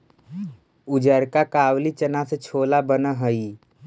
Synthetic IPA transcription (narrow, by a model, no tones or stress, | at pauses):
ʊd͡ʒəɾkakaːwlit͡ʃənaset͡ʃʰoːlabənəɦəi